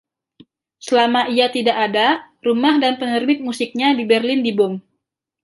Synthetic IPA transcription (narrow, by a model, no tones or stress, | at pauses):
səlamaiat̪idaʔada | rumahdanpənərbɪt̪̚musik̚ɲadibɛrlɪndibʊm